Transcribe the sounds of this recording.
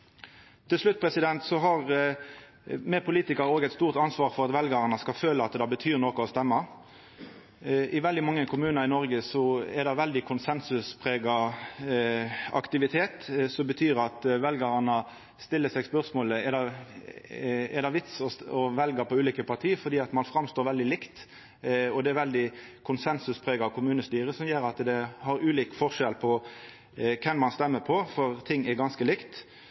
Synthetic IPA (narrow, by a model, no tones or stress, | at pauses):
t̪ʰɪlslʉt̪̚ːpʰʁɛsɪd̪ɛnt̪sɔɦɑʁ | mɛpʰʊliːt̪ɪkɑɾəoːɡɛɪt̪st̪uːʁt̪ɑnsʋɑːʁfɔɾɑt̪ʋɛlɡɑɾənəskɑlføːləɑt̪d̪ɑbət̪ʰyːʁnoːkʊɔst̪ɛmːə | ʔɪʋɛld̪ɪmɑŋːəkʰʊmʉːnəɾɪnɔɾɡəsɔɛd̪ɑʋɛld̪ɪkʰʊnsɛnsʉspʰʁeːɡɑ | ɑ̰kt̪ɪʋɪt̪ʰeːt̪sɔmbət̪ʰyːɾɑt̪ʋɛlɡəʁɑnə | st̪ɪlːəsɛɡspœʁsmoːləɛd̪ɑ | ɛd̪ɑʋɪt̪sɔɔʋɛlɡəɾpʰɔʉːliːkəpʰɑɾt̪ʰiːəfɔɾd̪iːɑt̪mɑnfɾɑmst̪oːɾʋɛld̪ɪlɪkt̪ | ɔd̪ɛæɾʋɛld̪ɪkʰʊnsɛnsʉspʰɾeːɡɑkʰʊmʉːnəst̪yːɾəsɔmjøːɾɑt̪d̪ɛhɑɾʉːliːkfɔʁʂɛlpʰɔ | kʰɛnmɑnst̪ɛmːəpʰɔfɔɾt̪ʰɪŋːɛɾɡɑnskəlɪkt̪